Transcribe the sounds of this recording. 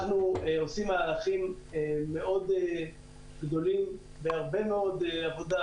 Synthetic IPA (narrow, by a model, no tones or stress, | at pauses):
nueo̞simaːlaχimeːe̞ʔo̞d̪e | ɡd̪o̞lim | veaʁbe̞meo̞d̪eavo̞d̪a